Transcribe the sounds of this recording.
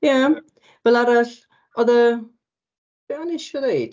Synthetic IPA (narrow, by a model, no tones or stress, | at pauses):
ja | vɛlˠaɾaɬ | ɔðə | ɛanɪʃɔnejd̥